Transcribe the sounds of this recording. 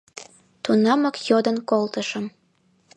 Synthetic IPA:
t̪unɑməkjod̪ənkolt̪əʃəm

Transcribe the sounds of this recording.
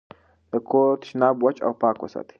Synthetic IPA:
d̪əkʰoːt̪ɪ̥ʃnaːbwɐt͡ʃʼa̰wpaːkwɐ̰sɐ̰t̪

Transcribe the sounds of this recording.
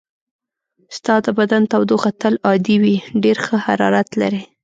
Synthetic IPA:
st̪ɑd̪əbad̪ant̪awd̪oxat̪əlɑd̪iwiɖeɾxəha̰ɾɑ̰ɾat̪la̰ɾe

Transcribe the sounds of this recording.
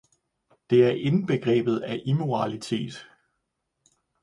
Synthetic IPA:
d̥e̝æɐʔe̝n̩b̥e̝ɡ̥ʁɛ̰ːb̥ð̞̩ˠæʔimo̝ʁɑlit͡sʰe̝̰ːd̥

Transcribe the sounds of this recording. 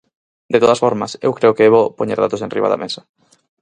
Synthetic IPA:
d̪et̪oð̞asfoɾmasḛwkɾeokeeβopoɲḛɾða̰t̪osenrḭβa̰ða̰mḛsḁ

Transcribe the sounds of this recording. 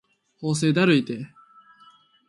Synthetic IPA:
ho̞ːs̬e̞ːd̪aɾɯ̟it̪e

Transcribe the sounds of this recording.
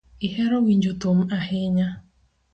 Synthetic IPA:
iɦeɾɔɡiɲ̩d͡ʒotom̩ahɪɲa

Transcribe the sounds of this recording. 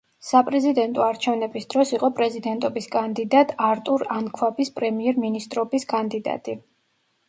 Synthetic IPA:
sapʼɾɛzid̪ɛnt̪ʼɔaɾt͡ʃʰɛvnɛbisd̪̥ɾɔsiqʼɔpʼɾɛzid̪ɛnt̪ʼɔbiskʼand̪id̪at̪ʼʰaɾt̪ʼuɾankʰwabispʼɾɛmiɛɾminist̪ʼɾɔbiskʼand̪id̪a̰t̪ʼi

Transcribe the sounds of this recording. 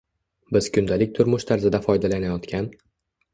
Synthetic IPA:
bɪz̥kʲʰʊnd̪alɪk̚ʲt̪ʰʊɾmʊʃt̪ʰaɾzɪd̪afɒjd̪alanajɒt̪kʲʰan

